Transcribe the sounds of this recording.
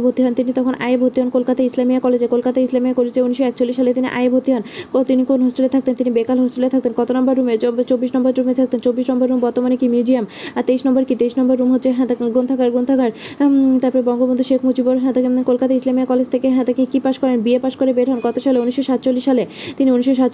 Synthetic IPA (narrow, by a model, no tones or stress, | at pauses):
bʱot̪ːiɦɔnt̪init̪ɔkʰonʔa̰jebʱot̪ːiɦɔnkolkat̪aislamijakɔled͡ʑekolkat̪aislamijakoled͡ʑeuniʃoɛk̚t͡ɕolːiʃːalet̪iniʔa̰jebʱot̪ːiɦɔnot̪inikonɦosʈelet̪ʰak̚t̪ent̪inibekalɦosʈelet̪ʰak̚t̪enkɔt̪onambaɾːumet͡ɕot͡ɕobːiʃnɔmbaɾɾumet̪ʰak̚t̪ent͡ɕobːiʃnɔmbaɾːumbɔɾt̪omanekimjud͡ʑiamaɾt̪ejʃnɔmboɾkit̪eiʃnɔmbaɾːumɦot̪ːʰeɦɛ̃t̪ɡont̪ʰakaɾɡont̪ʰakaɾt̪aɾpɔɾebɔŋɡobond̪ʱuʃekʰmud͡ʑiboɾɦɛ̃t̪akekolkat̪aislamiakɔled͡ʑt̪ʰekeɦɛ̃t̪akekipaʃkɔɾenbiepaʃkoɾebeɾɦɔnkɔt̪oʃaleuniʃoʃat̪̚t͡ɕolːiʃːalet̪iniuniʃːoʃ̬a